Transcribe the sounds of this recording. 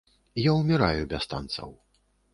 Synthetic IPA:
jawmʲɛɾajubʲast̪a̰nt̪sɐ̰w

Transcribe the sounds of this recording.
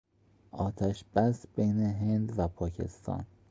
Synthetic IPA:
ʔɒːt̪ʰæʃb̥æsb̥ejneɦe̞nd̪væpʰɒːcʰe̞̰st̪ʰɒ̰ːn

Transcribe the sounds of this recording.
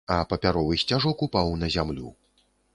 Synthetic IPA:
ɐpɐpʲaɾɔvɨsʲt͡sʲaʐɔkupawnɐzʲamlʲṵ

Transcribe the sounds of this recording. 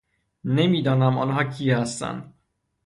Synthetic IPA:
nemiːd̪ɒːnæmɒ̰ːnɦɒːcʰiːhæst̪æ̰nd̪

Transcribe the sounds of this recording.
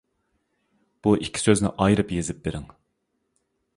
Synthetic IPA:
b̥uʔikʲʰːi̥søznɪ̰ʔɑjɾɨpjezɪp̚beɾɪŋ

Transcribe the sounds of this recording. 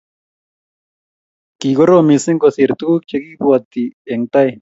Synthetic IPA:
kiɡoɾomiseŋkosiɾt̪uuk̚t͡ʃekipuat̪ieŋt̪aj

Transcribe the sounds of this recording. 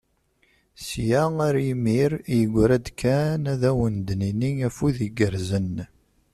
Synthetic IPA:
sjæaɾimiɾjəɡʷːɾæd̪kʰænæðæwənd̪niniŋæfuðiɡəɾzən

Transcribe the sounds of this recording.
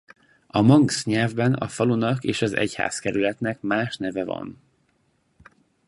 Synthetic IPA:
ɒmɒŋksɲɛlvbɛnɒ̰fɒlunɒkeːʃɒzɛ̰cha̰ːskɛɾylɛt̪nɛkmaːʃnɛvɛvɒ̰n

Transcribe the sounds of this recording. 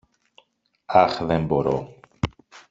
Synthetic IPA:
ɐxðemboɾo̰

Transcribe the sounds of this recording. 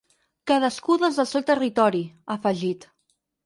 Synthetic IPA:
kaðəskuðezðəlˠsewt̪ərit̪ɔɾiafəʒit̪

